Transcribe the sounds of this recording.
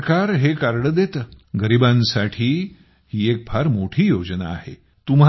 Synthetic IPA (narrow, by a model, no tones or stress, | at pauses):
kaɾɦekaɾɽəd̪et̪əːɡəɾibãnsaʈʰiː | hiːek̚pʰaɾmoʈʰiːjod͡ʑna̰ːɦḛ | t̪umɦ